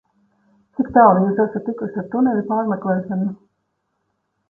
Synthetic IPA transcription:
t̪sikt̪awlijuːsasat̪ːikuʃaɾt̪unɛlʲipaːɾmʲɛklˠɛːʃɔnu

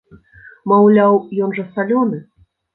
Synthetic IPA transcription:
mawlʲawjɔnʐɐsalʲɔnɨ

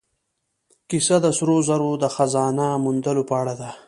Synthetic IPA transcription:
kisad̪əsɾozaɾod̪əxazɑːnamund̪əlopəaɽad̪a

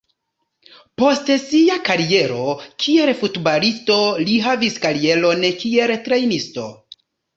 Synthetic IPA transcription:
po̞stsiakaɾie̞ɾo̞kʰie̞ɾfutbalisto̞liɦaviskaɾie̞lo̞nkie̞ltɾe̞jnisto̞̰

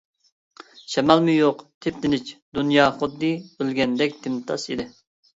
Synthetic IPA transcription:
ʃɛmɑlˠmɨjoqt̪ʰɪp̚d̪ɪnɪt͡ʃd̪unjɑːχʊd̪ːɨølɡʲɛnd̪ɛk̚ʲd̪ʰɪmt̪ʰɑ̰sḭd̪ɪ

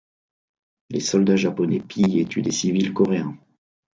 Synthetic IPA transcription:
lesɔld̪aʒapɔnɛpʰijet̪ʰyd̪esivilkɔʁeɛ̃

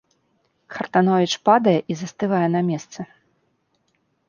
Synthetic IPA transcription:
kʰɐrt̪anɔvʲit͡ʂpad̪ɐjɛʔizɐst̪ɨvajɛn̪ɐmʲɛst̪sɨ

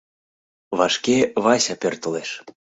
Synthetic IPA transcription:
βɑʃkʲeβɑsʲɑpʲørt̪ə̆leʃ

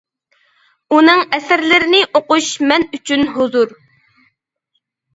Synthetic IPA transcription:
unɨŋɛsɪɾlɪɾɪnɪʔoquʃmɛnyt͡ʃʰynɦʊzuɾ

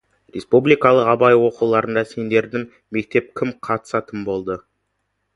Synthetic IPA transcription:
rʲe̞spublijkɑlˠəqɑbɑjwo̞qulˠɑɾənd̪ɑse̞nd̪e̞ɾd̪ɪŋ | me̞k̚t̪e̞p̚kʲʰɪmqʰɑt̪ə̥sɑt̪əmbo̞lˠd̪ə

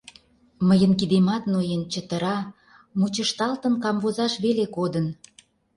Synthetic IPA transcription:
məjənkid̪emɑt̪nojent͡ɕət̪ə̆ɾɑ | mut͡ɕəʃt̪ɑlt̪ənkɑmβozɑʃβelekod̪ən

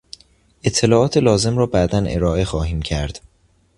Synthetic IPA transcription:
ʔet̪ʰːe̞lɒːʔɒːt̪ʰelɒːze̞mrɒːbæʔd̪ænʔe̞̰ɾɒːʔe̞xɒːɦiːmcʰæɾd̪̥

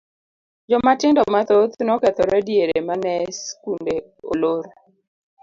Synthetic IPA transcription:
d͡ʒɔmatɪŋdɔmat̪ot̪nɔkɛt̪ɔɾɛdjeɾemanɛskunde | o̰loɾ

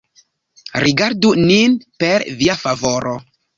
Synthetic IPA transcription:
ɾiɡaɾduninpe̞ɾviafavo̞ɾʔo

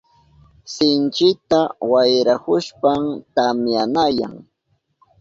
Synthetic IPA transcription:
sɪnt͡ʃɪt̪awajɾahʊʃpamt̪amjanaja̰ŋ

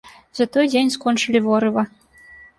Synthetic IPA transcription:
zat̪ɔjd͡zʲenʲskɔnt͡ʂɨlʲivɔɾɨvɐ

